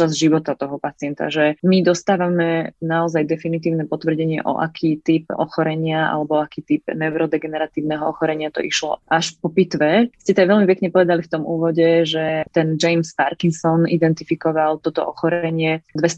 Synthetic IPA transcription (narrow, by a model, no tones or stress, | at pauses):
azʒiʋɔt̪at̪ɔɦɔpat͡sɪɛnt̪a̰ʒɛmid̪ɔst̪aːʋamɛnaɔzajd̪ɛfinit̪iːʊnɛpɔt̪ʋr̩ɟɛɲɪɛ̰ʔɔ̰ʔa̰kʰiːt̪ip̚ɔ̰xɔɾɛɲɪaa̰lɛbɔakiːt̪ip̚nɛʊɾɔd̪ɛɡɛnɛɾat̪iːʊnɛɦɔɔxɔɾɛɲɪat̪ɔ̰ʔiʃlɔ̰ʔaʃpɔpit̪ʋɛscɛt̪aʋɛlmipɛkɲɛpɔʋɛd̪alift̪ɔmuːʋɔɟɛʒɛt̪ɛnd͡ʒɛjmspaɾkinsɔnʔḭd̪ɛnt̪ifikɔʋalt̪ɔt̪ɔ̰ʔɔxɔɾɛɲɪɛd̪ʋɛs